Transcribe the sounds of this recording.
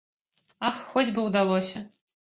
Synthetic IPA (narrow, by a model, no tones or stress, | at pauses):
axːɔd͡zʲbɨwd̪alˠɔsʲɐ